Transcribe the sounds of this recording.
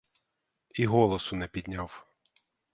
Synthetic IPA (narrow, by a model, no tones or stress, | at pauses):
iɦɔlˠɔsʊnɛpʲid̪ʲnʲaw